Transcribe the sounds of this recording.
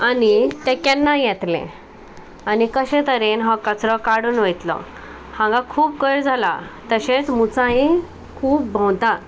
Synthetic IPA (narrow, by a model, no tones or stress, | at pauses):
anit̪ɛ̃kjanːajɛt̪lḛ̃ | anikəɕẽt̪əɾenɦɔkət͡sɾɔkaɽuːnʋejt̪lɔ̰ | hãŋɡãkʰuːp̚kəjɾd͡zʱala̰t̪əɕẽt͡smut͡sãɦĩ | kʰuːp̚bʱɔ̃wt̪a